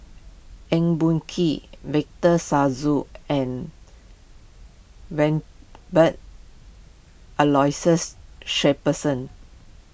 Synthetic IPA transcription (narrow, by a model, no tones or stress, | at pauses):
ɛ̃ŋbũnkʰiwɛk̚təsazuɛ̃n | wɛ̃nbət̚ | əlɔjsəsʃɛpəsə̃n